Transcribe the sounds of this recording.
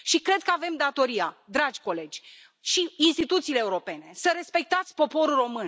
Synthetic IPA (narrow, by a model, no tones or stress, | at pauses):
ʃikɾe̞d̪̚kəave̞md̪at̪o̞ɾiad̪ɾad͡ʒʲko̞le̞d͡ʒʲ | ʃiinst̪it̪ut̪siːleːuɾo̞pe̞ne̞səɾe̞spe̞k̚t̪at̪sʲpo̞po̞ɾulro̞mɨn